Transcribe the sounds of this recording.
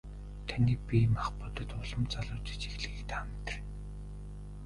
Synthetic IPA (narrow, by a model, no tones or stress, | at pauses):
t̪ʰaniːk̚pʲimaχpʊt̪ə̆t̪ʊɮə̆mt͡saɮʊːt͡ɕi̥t͡ɕixɮɘ̆ɣek̚t̪amt̪ə̥̆r